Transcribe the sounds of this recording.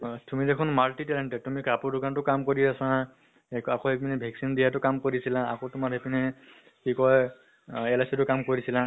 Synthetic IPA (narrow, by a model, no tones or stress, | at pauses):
tumidekʰʊnmaltitɛlɛntɛtumikapuɹdʊkantʊkamkoɹiasã | kakoɦepinɛbʱɛksindijatʊkamkoɹisilaa̰kotʊmaɹɦepinɛ | kikɔj | ɛlasitʊkamkoɹisila